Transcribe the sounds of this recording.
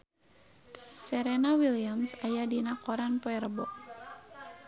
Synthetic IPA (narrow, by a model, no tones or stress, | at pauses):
sɛɾɛnawiliamsajadinakɔɾanpoɛɾəbɔ̰ʔ